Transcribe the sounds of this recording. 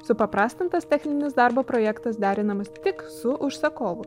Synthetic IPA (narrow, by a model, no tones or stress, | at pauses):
sʊpɐpɾɑːst̪ɐnt̪ɐst̪ʲɛxʲnʲɪnʲɪsd̪ɑˑɾbopɾɔːjɛkt̪ɐsd̪ʲæːɾʲɪnɐmɐst̪ʲɪksʊʔʊʃsɐkoːʋʊ